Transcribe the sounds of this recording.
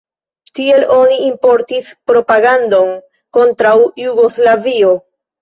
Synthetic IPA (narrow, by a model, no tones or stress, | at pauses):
tie̞lʔo̞niːmpo̞ɾtispɾo̞paɡando̞n | ko̞ntɾawjuɡo̞zlavio̞